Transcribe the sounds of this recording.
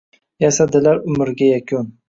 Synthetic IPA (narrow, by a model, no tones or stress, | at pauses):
jasad̪ɪlaɾʊmɪɾɡʲajakʲʰʊn